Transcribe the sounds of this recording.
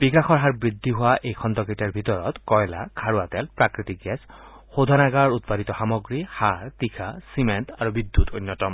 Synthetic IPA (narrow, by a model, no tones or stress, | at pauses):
bikaxʰɔɹɦaɹbɹid̪ʱːiɦʊwaʔejkʰɔnt̪ɔketɛɹbʱit̪ɔɹɔt̪kɔjla̰kʰaɹuat̪ɛlpɹakɹit̪ik̚ɡɛs | xod̪ʱanaɡaɹut̪̚padit̪ɔxamɔɡɹihaɹt̪ikʰasimentaɹubid̪ːut̪ojnːjɔtɔm